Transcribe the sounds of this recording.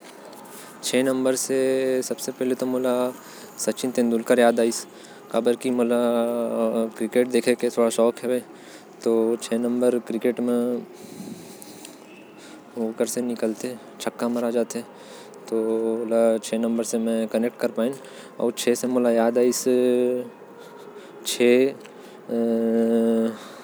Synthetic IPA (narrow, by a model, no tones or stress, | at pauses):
t͡ʃʰeːnɐ̃mbəɾsesɐbsepɛɦlet̪omoːla | sɐtːt͡ʃɪ̃nt̪ẽːnd̪ulkəɾjaːd̪aːɪs | kaːbəɾkimoːla | kɾɪkeːʈ̚d̪eːkʰeket̪ʰoːɽaʃɔːkɦɛʋẽː | t̪oːt͡ʃʰeːnɐ̃mbəɾkɾɪkeːʈmẽ | ɦoːkəɾsenɪkəlt̪eɛ | t͡ʃʰɐkːamɐɾad͡ʒaːt̪eɦɛ | t̪ooːlat͡ʃʰeːnɐ̃mbəɾsemɛ̃kɐnek̚ʈ̚kɐɾpaːĩ | ɔ̰ːɾt͡ʃʰeːsemoːlajaːd̪aːis | t͡ʃʰeː